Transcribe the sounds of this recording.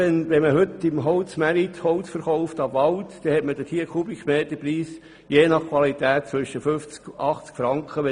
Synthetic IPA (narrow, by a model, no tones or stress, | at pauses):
ɛnʋɛməɦʏt̪ːɪmɦoʊt͡smæɾit̪hɔʊsfəɾχɔʊft̪ɑʋɑlt̪d̥ɛhɛtməd̥̪ətʰhiəkʰubikmeːt̪əpɾiːs | jeːnɑχkʰʋɑlit̪æːt̚t͡sʋʏʃəfʏft͡skʔɑχt͡skfɾɑŋkχəʋɛ